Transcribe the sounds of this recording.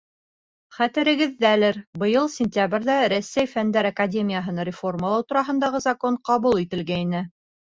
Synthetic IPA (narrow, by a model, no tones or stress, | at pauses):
χæt̪ɘ̆ɾɘ̆ɡɘ̆ðːælɘɾbɤ̆jɤlˠsʲɪnʲt̪ʲabɾʲðæɾæsːæjfænd̪æɾakadʲe̞mʲijaɦɤnɑɾʲɪfo̞rməlˠɑwt̪uɾɑɦɤ̆nd̪ɑʁɤzɐkoɴqɑβulˠit̪ɘ̆lɡæinɘ